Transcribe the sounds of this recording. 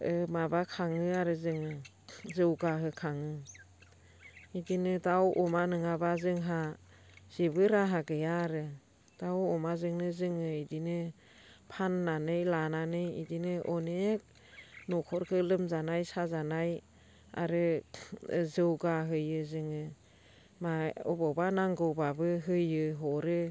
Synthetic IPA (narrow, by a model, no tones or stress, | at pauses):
ɯmabakʰaŋɯaɾɯzɯŋɯ | zɯwɡaɦɯkʰaŋɯ | idinɯdawʔɔmanɯŋabazɯŋɦa | z̥ebɯɾaɦaɡɯjaɾɯ | d̥awɔmazɯŋnɯzɯŋɯidinɯ | pʰanːanɯjlananɯjḭdinɯʔɔnek̚ | nɔkʰɔɾkʰɯlɯmzanajsazanaj | a̰ɾɯ | zɯwɡaɦɯjɯzɯŋɯ | maɔ̰bɔwbanaŋɡɯwbabɯɦɯjɯɦɔɾɯ